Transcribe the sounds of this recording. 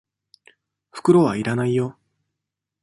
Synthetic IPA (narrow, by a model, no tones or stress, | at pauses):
ɸɯ̥kɯ̟ɾo̞βaiɾanaijo